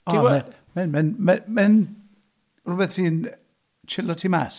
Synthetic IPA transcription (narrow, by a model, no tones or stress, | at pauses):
ɔ̥imɛn | mɛnmɛnmɛmɛn | rʊbɛθhiːn | t͡ʃʰɪlɔtʰiːma̰s